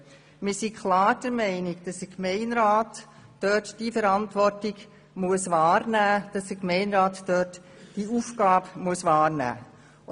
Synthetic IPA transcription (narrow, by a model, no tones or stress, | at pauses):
mɪːsikχlɑːɾd̥əɾmɛɪnɪɡd̥ɑsəkmɛɪnɾaːtː | œtd̥ifəɾɑntʋɔrtɪɡ | muəsʋɑːɾnæːd̥ɑsəkmɛɪnɾɑːtːœt | d̥iuːfkɑːbmuəsʋɑːɾnæ̰ː